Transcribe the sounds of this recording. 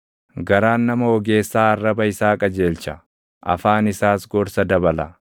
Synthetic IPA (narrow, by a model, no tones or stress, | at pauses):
ɡɐɾaːnːɐmɐɔɡe̞ːsːaːɐrːɐbɐɪsaːkʼɐd͡ʒe̞ːlt͡ʃɐ | ʔɐ̰faːnɪsaːsɡɔɾsɐd̪ɐbɐlɐ